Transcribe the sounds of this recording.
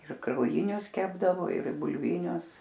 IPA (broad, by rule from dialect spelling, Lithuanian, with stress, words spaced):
ɪr krɐʊˈjɪnʲʊs ˈkʲæːbdɐʋoː ɪr bʊlʲˈʋʲɪnʲʊs